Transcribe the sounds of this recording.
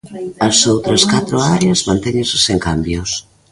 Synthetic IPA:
ɐsowt̪ɾɐskat̪ɾʊaɾeɐzmãnt̪ɛɲẽnsɪseŋkambjʊs

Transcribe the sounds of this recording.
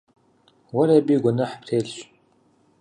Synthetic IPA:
wɐɾɐbiːɡʷɔnɐħpʰreːɮɕ

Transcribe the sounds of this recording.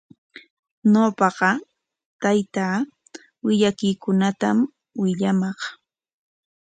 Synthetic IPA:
nopɑɢɑ | t̪ajt̪aː | wɪʎakɪjkʊnat̪am | wɪʎamɑχ

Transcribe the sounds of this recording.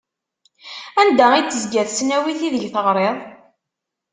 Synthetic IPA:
ænd̪æiəzɡæðsnæwiθiðəʝθəʁɾˤeðˤ

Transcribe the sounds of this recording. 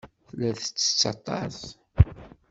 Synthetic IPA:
θəlːæθət͡sːə̥t͡sːɑ̰t̪ˤːɑ̰s

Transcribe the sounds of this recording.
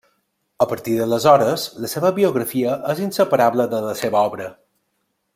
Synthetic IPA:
əpəɾt̪iðələzɔɾəzləseβəβiuɣɾəfiəʔəzinsəpəɾaβləðələseβəɔβɾə

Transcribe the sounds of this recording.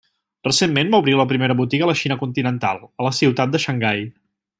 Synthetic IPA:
rəsemːenbauβɾiləpɾimeɾəβut̪iɣələʃinəkunt̪inənt̪a̰lˠələsiwt̪at̪d̪əʃəŋɡaj

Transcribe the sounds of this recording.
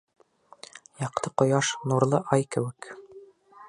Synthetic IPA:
jɑq̚t̪ɤqŏjɑʃnuɾlˠɤʔɑjkɘ̆wɘk

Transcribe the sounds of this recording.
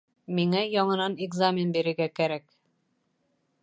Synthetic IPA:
miŋæjɒɴɤ̆nɑnɪɡzamʲɪnbiɾɘ̆ɾɡækæɾæk

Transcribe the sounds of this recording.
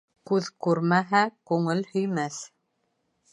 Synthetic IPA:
kʉðkʉɾmæɦækʉŋɘlhɵ̆jmæθ

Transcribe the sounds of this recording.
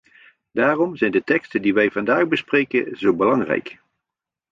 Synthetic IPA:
d̥aːrɔmzɛjndətɛkstəndiʋɛjvɑndaːɣbəsprejkəzowbəlɑŋrɛ̰jk

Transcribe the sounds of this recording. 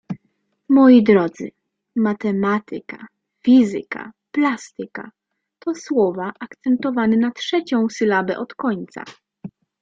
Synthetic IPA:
mɔjid̪ɾɔd̪zɘ̰ | mat̪ɛmat̪ʰɘka̰ | fʲizɘ̰ka̰ | plast̪ɘka̰ | t̪ɔswɔvaʔakt̪sɛnt̪ɔvanɛnatʂɛt͡ɕɔ̃w̃sɘlabɛ̰ʔɔt̪kɔɲt̪sa̰

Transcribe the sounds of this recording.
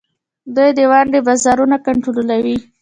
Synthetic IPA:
d̪ujd̪əwaɳɖebɑzɑɾunakaɳʈoɾolawi

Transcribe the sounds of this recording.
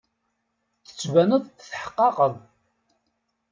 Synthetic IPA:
θə̥t͡sːvænəðˤθħə̥qːɑqəðˤ

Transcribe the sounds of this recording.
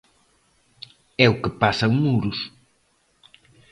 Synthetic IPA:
ɛʊkɪpasɐwmuɾʊs

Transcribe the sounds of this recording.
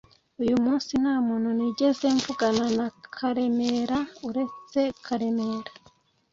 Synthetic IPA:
ujumuːnsin̥haːmuːnhuniɟe̞ze̞ɱvuɡananakʰaɾe̞me̞ɾauɾe̞t͡se̞kʰaɾe̞me̞ɾḁ

